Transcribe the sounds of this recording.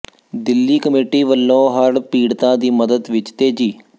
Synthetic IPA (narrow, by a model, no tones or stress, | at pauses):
d̪ɪlːiːkəmeːʈiːʋəlːõːɦəɽpiːɽt̪ãːd̪iːməd̪əd̪ʋɪt͡ʃt̪eːd͡ʒiː